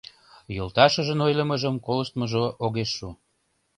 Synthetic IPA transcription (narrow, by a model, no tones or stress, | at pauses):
jolˠt̪ɑʃəʒənojləməʒəmkoləʃt̪məʒoʔoɣeʃːu